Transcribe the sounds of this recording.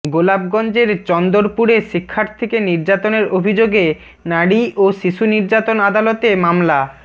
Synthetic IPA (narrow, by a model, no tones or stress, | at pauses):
ɡolab̚ɡɔnd͡ʑeɾt͡ɕɔnd̪oɾpuɾeʃikʰːaɾt̪ʰekeniɾd͡ʑat̪oneɾobʱid͡ʑoɡe | naɽiʔoʃiʃuniɾd͡ʑat̪onad̪alot̪emamla